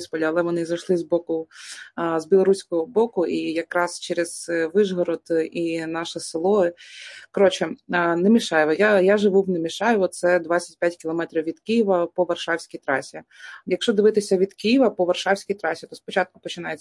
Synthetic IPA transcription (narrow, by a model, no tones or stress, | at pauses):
spɔlʲiɐlˠɛʋɔnɪzɐjʃlˠɪzbɔkʊ | zbʲɪlˠɔɾusʲkɔɦɔbɔkʊijɐkɾɑst͡ʃɛɾɛz̥ʋɪʒɦɔɾɔd̪ʔinɑʃɪsɪlˠɔɦɪkɔɾɔt͡ʃɛnemʲiʃɑjʋɔjajaʒɪʋuwnemʲiʃɑjʋɔt̪sɛd̪ʋɑt͡sʲɐ̥t̚ʲpʲjatʲkʲɪlˠɔmɛt̪ɾʲiwʋʲid̪kijɪʋɐpɔʋɐrʃɑwsʲkʲijt̪ɾɑsʲijɐkʃt͡ʃɔd̪ɪʋɪt̪ɪsʲɐʋʲid̪kijɪʋɐpɔʋɐrʃɑwsʲkʲijt̪ɾɑsʲit̪ɔspɔt͡ʃɑt̪̚kʊ̥pɔt͡ʃɪnɑje